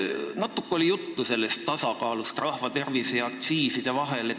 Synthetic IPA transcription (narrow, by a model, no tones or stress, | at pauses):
nɑt̪ːˑukːeolijut̪ːuse̞lːe̞st̪ːɑsɑkɑːlust̪rɑhvɑt̪e̞rvisejɑk̚t̪siːsid̪̥evɑɦe̞le